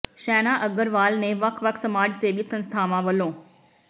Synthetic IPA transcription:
ʃɛːnaʔɐɡəɾʋaːlnẽʋɐkʰʋɐkʰsɐmaːd͡ʒseɓisɐ̃nst̪ʰaːmãʋɐlõː

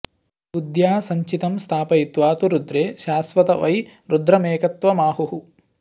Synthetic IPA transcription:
ud̪jaːsɐɲt͡ʃit̪ɐmst̪ʰaːpɐjit̪ʋaːt̪uɾud̪ɾeːʃaːsʋɐt̪ɐʋɐjɾud̪ɾɐmeːkɐt̪ʋɐmaːɦuɦu

